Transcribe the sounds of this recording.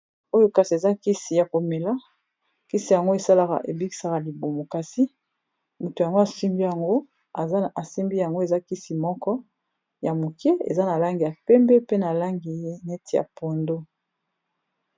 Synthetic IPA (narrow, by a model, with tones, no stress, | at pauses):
o˦jo˦ka˨si˨e˨za˦ki˦si˨ja˨ko˨me˨la˦ | ki˦si˨ja˨ŋɡo˦e˨sa˦la˨ka̰˨ʔe˨bi˦ki̥˨sa˨ka˨li˨bo˨mo˨ka˨si˦ | mo˨to˨ja˨ŋɡo˦a˨si˦mbi˦ja˨ŋɡo˦ | a˨˦a˨si˦mbi˦ja˨ŋɡo˦e˨za˦ki˦si˨mɔ˦kɔ˦ | ja˨mo˨ke˦ḛ˨za˦na˨la˦ŋɡi˨ja˨pɛ˦mbɛ˦pe˦na˨la˦ŋɡi˨˦ne˦ti˨ja̰˨po˨ndo˦